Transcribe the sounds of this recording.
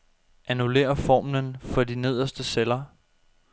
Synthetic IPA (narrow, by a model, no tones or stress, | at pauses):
ʔænule̝̰ːɐfɒ̰ːmnənfɒ̽d̥ine̝ð̞̰ˠɐsd̥əselɐ